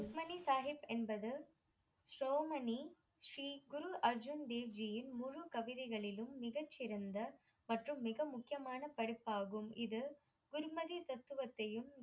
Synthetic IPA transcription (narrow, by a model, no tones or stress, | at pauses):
mɐnisaːɦɪpɛnbɐðɯ | ʃɾoːmɐni | ʂriːɡʊɾuʔɐɾd͡ʒʊnd̪eːʋd͡ʒijɪnmʊɻukɐʋɪðɪɣɐɭɪlɯmːɪɣɐt͡ʃːɪɾɐnd̪ɐ | mɐʈrɯmːɪɣɐmʊkːɪjɐmaːnɐpɐɽɯpːaːɣɯmɪðɯ | ɡʊɾmɐðit̪ɐt̪ːɯʋɐt̪ːɐjɯm